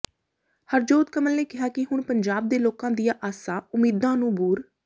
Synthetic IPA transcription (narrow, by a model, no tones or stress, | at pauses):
həɾd͡ʒoːt̪kəməlneːkɪɦaːkɪɦʊɳpəɲd͡ʒaːb̚d̪eːloːkãːd̪ɪjãːʔaːsaːʊmiːd̪ãːnũːbuːɾ